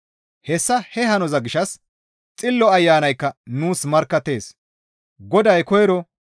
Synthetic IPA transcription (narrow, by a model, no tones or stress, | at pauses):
hɛsːɐhɛɦɐnɔzɐɡɪʃɐs | t͡sʼɪlːɔɐjːaːnɐjkːɐnuːsmɐɾkːɐt̪ːe̞ːs | ɡɔd̪ɐjkɔjɛɾɔ